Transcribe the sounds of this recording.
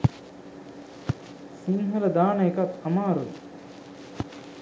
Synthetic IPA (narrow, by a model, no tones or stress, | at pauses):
siŋɦɐɾəd̪aːnəekat̪ɐmaːɾud̪